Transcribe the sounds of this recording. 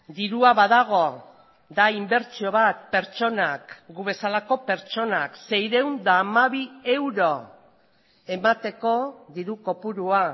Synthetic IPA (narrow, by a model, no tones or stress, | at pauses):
d̪iɾuaβaðaɣ̞o̞ | d̪aimbe̞ɾt͡ʃio̞βat̪pe̞ɾt͡ʃo̞nakɡuβe̞salako̞pe̞ɾt͡ʃo̞nakse̞jɾe̞wnd̪aːmaβie̞wɾo̞ | e̞mat̪e̞ko̞ðiɾuko̞puɾua